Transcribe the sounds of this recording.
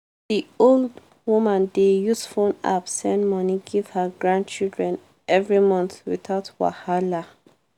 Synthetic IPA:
diold | wumãndejusfõna̰bsɛ̃nmɔniɡiv̥həɡɹãnd̚t͡ʃildɹɛ̃n | ʔɛvɹimɔ̃nθwiθaʊtwa̰hala

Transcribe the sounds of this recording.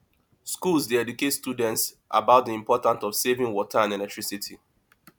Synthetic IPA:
skulˠzsdeɛduketstudɛ̃nts | ʔa̰baʊt̚ðiĩmpʰɔtãntɔv̥sevɪ̃ŋwɔtʰaãnɛlɛk̚tɹisitʰi

